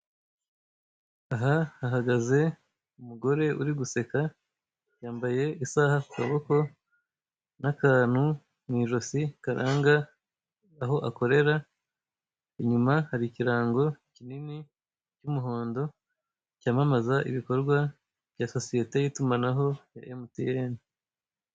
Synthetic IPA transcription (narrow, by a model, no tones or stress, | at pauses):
aɦahaɦaɡaze̞ | umuɡo̞ɾe̞ʔuɾiɡuse̞ka | jaːmbaje̞isaːhakukaβo̞ko̞ | nakaːn̥hu | miːʒo̞sikaɾaːŋɡaː | ɦo̞ʔako̞ɾe̞ɾa | iɲumahaɾiciɾaːŋɡo̞cinini | cumuɦo̞ːndo̞ | caːmamazaʔiβiko̞ɾɡwa | vjaso̞sije̞te̞jiːtumanaɦo̞ja̰ʔemutijeːni